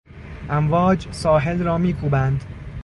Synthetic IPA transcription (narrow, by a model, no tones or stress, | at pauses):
ʔæmvɒːd͡ʒsɒːɦe̞lɾɒːmiːkʰuːbænd̪